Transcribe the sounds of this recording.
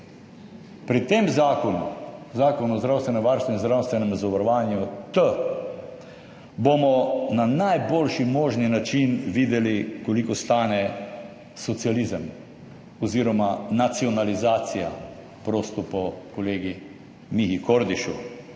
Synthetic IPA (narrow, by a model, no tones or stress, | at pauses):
pɾit̪eːmzaːkɔnuzaːkɔnuɔzd̪ɾawst̪ʋɛnɛmʋaɾst̪ʋɛzd̪ɾawst̪ʋɛnɛmzaʋaɾɔʋaːnjut̪ə | bomɔnanajboːlʃimoːʒninat͡ʃinʋiːd̪ɛlikɔlikɔst̪aːnɛ | sɔt̪sializəm | ɔziːɾɔmanat̪siɔnalizaːt̪sija̰ | pɾoːst̪ɔpɔkɔleːɡi | mixikoɾd̪iʃṵ